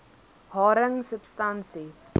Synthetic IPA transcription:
hɑːɾəŋsəpstansi

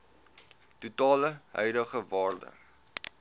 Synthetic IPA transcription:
tutɑːləɦœ̰ɥdəχəvɑːrdə̰

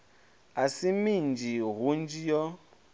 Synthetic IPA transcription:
asimind͡ʒʱiɦund͡ʒijɔ

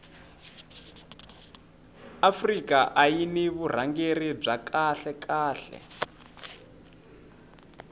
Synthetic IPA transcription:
afrikaʔajiniβur̤aŋɡerib͡ʐakʰaɬɛkʰaːɬɛ̰

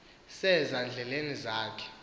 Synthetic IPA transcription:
sɛzand͡ɮʱɛlenizaːkʰɛ̥

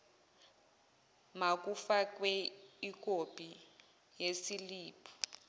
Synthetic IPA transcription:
mak̬ufak̬wɛik̬ʼob̥ʱʼi | jesiliːpʰɔ̥

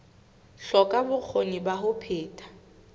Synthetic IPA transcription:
ɬɔkʼabʊk͡xʰoŋibaɦʊpʰeːtʼḁ

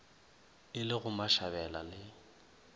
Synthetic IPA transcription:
ɪlɪɣʊmaʃaβɛlalɪ

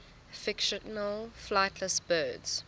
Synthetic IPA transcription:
fɪkʃənəlflaɪtʰləsbɜːdz̥

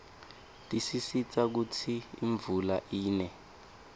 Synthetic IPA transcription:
tʼisisit͡sak̬ut͡sʰiḭɱvula̰ʔiːnɛ

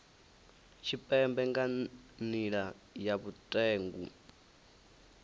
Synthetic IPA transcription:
t͡ʃʰipʼɛmbɛŋɡaniɺa | jaβutʼɛːŋɡṵ

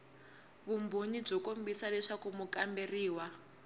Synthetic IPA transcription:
βumboɲib͡ʐɔkombisalɛʂakumukamberiːwa

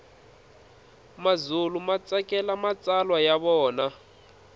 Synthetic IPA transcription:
mazulumat͡sakʼɛlamat͡sʼalwajaβɔːna

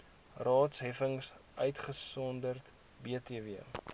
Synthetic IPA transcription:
rɑːtsɦɛfəŋsʔœɥtχəsɔndərt | biətiəviə

